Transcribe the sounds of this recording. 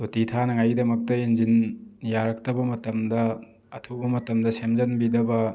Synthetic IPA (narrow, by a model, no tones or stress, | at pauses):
utitʰanɐŋajɡidɐmɐk̚tɐenzinjaɾɐk̚tɐbɐmɐtɐmdɐ | ɐtʰubɐmɐtɐmdɐsemzɐnbidɐbɐ